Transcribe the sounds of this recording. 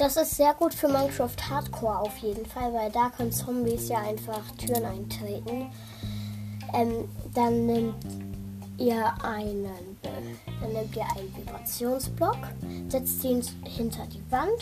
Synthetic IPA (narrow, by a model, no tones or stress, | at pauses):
d̥asɪstz̥eːɐɡuːtfyːɐmankɹ̥afthaːtkʰɔːɐaʊfjeːdn̩falvaɪldaːkʰœnənt͡sɔmbisjaːʔaɪnfaχtʰyːʁənaɪntʁ̥eːtn̩ | ʔɛːmd̥anːɪmt | ʔiːɐʔaɪnənbə | d̥anːɪmtiːɐʔaɪnvibʁat͡sjoːnsb̥lɔkz̥ɪt͡st͡siːnt | hɪntʰɐdiːvant